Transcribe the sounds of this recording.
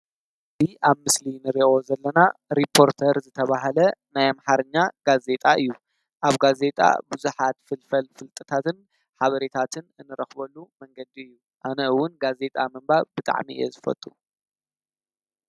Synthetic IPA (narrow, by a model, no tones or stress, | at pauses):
ziʔaβmɨslinɨɾiʔo̞zɐlːɐnaɾipʰo̞ɾt̪ʰɐɾzɨt̪ʰɐβaɦɐlɐnajamħaɾɨɲːaɡ̥aze̞t̪ʼaʔɨjːu | ʔaβɡaze̞t̪ʼa̰buzuħat̪fɨlfɐlfɨlt̪ʼɨt̪ʰat̪ɨn | ħaβɐɾet̪ʰat̪ʰɨnɨnːɨɾɐxbɐlːumɐŋɡɐd̪iɨjːu | ʔanɐɨwːʊnɡaze̞t̪ʼa̰mɨmbaβbɨt̪ʼa̰ʕmḭɨ̰jɛ̰zɨfɐ̰t̪ʼu